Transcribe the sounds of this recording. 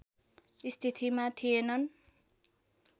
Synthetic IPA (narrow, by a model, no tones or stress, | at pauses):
ist̪ʰit̪ʰimat̪ʰijenʌn